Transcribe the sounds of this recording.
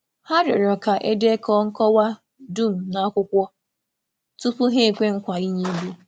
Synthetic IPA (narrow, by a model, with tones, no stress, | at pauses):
ha˦ɾɪ˨ɾɔ˨ka˨ʔe˦de˦kʰɔ˦ŋ̩˦kɔ˦wa˦ | du˦˨m̩˨na˨˦kʷʊ˦kʷɔ˦ | tu˦pʊ˦ɦe˦˨kʷe˦ŋ̩˦kʷa˨i˦ɲe˦bu˦